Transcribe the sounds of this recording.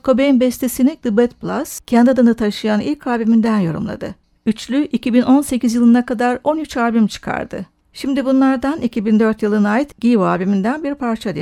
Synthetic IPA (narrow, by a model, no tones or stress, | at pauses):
kʰo̞bejinbɛst̪ʰesinid̪ɯbɛt̪̚plˠascʰɛnd̪ʲad̪ɯnɯt̪ʰaʃɯjanilʲcʰaːbimind̪ænjo̞ɾṵmlˠa̰d̪ɯ | yt͡ʃlʲyʔicibino̞nse̞cʰʲizjɯlˠɯnakad̪aɾo̞nyt͡ʃaːbimt͡ʃʰɯ̥kʰa̰ɾd̪ɯ̰ | ʃimd̪ibunlˠaɾd̪anicʰibind̪ø̞ɾt̪jɯlˠɯnaːjit̪ɟʲivaːbimind̪ænbiɾpʰaɾt͡ʃʰad̪i